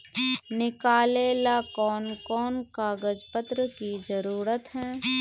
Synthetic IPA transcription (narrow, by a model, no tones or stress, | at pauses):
nɪkaːleːlakɔːnkɔːnkaːɡəd͡ʒpət̪ɾəkid͡ʒɐɾuːɾət̪ɦɛː